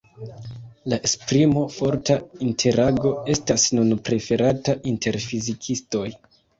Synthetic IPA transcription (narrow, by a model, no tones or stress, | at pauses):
laʔespɾimo̞foɾtaintʰe̞ɾaɡo̞e̞stasnunpɾe̞fe̞ɾataʔinte̞ɾfizikʰisto̞j